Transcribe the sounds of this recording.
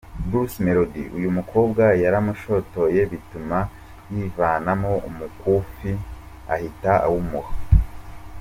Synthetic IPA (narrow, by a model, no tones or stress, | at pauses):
bɾusmeɾodiʔṵjumukʰo̞ːbɡajaɾamuʃo̞to̞je̞βituma | jiːvaːnamo̞umukufi | a̰hitaa̰wumuha